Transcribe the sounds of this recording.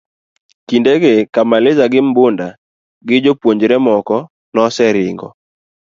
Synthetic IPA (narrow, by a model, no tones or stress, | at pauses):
kindeɡekamalɪzaɡɪmbʊnda | ɡɪd͡ʒopwoɲd͡ʒɾɛmɔkɔ | nɔsɛɾɪŋɡɔ̰